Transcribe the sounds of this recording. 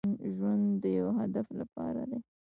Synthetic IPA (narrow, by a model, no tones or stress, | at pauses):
nʒwand̪d̪əjawɦad̪aflapɑ̰ɾa̰d̪e